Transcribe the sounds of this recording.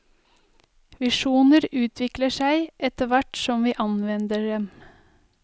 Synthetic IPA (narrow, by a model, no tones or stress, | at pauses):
ʋɪʃuːnəɾʉːt̪ʰʋɪkləʃæɪʔɛt̪əʋæʈsɔmʋiːʔɑnʋɛnd̪əɖɛm